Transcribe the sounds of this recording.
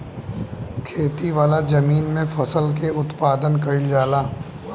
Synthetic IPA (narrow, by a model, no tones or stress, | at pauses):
kʰeːt̪iʋaːlazɐmiːnmẽfɐsəlkeʊt̪paːd̪ənkɐild͡ʒaːlaː